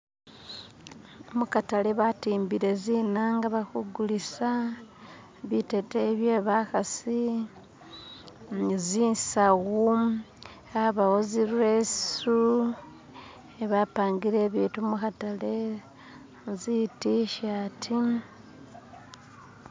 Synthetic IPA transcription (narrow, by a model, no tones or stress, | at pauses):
omukataleβatiːmbiɾe̞zinaŋɡaβakuɡulisa | βite̞teβjeβaxasi | ziːnsaɣu | aβawoziɾwesu | eβapaːŋɡiɾe̞ːβiːtumuxatale | zitiʃatʰi